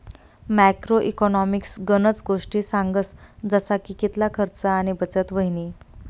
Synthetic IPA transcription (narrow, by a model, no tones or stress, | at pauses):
mækɾoʔikɔnɔmiksɡənət͡sɡoʂʈiːsaŋɡəsd͡zəsakiːkit̪lakʰəɾt͡saːɽ̃ibət͡sət̪ʋəɦini